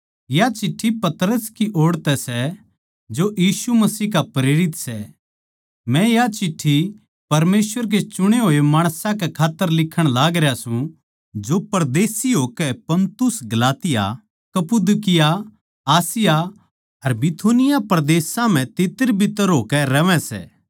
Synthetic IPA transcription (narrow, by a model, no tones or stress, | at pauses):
jat͡ʃɪʈʰːipɐt̪ɾəskiʔoːɽt̪ɛsɛ | d͡ʒojiːsumɐsiːkapɾeːɾɪt̪sɛ | mɛ̃jat͡ʃɪʈʰːi | pɐɾmeːsʋəɾk̬et͡ʃʊɽ̃eɦoːemaːɽ̃sãkɛkʰaːt̪ːəɾlɪkʰːəɽ̃laːɡɾeasũ | d͡ʒopɐɾd̪eːsiɦoːkɛpɐ̃nt̪ʊsɡɐlaːt̪ɪja̰ | kɐpud̪ʊkɪja | aːsɪja | ɐɾbɪt̪ʰoːnɪjapɐɾd̪eːsãm̤ɛ̃t̪ɪt̪əɾbʱɪt̪əɾɦoːkɛɾɐʋɛ̃sɛ̰ː